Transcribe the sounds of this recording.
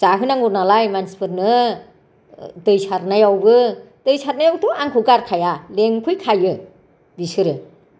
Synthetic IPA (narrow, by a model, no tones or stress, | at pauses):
zaɦɯnaŋuɾnalajmansi̥pʰɯɾnɯ | dɯjsʰaɾnajawbɯd̥ɯjsaɾnajawtuaŋkʰɯɡaɾkʰajaleŋkʰɯjkʰajɯ | bisɯɾɯ